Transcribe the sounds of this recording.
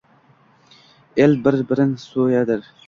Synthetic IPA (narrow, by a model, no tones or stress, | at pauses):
elbɪɾbɪɾɪnsojad̪ɪɾ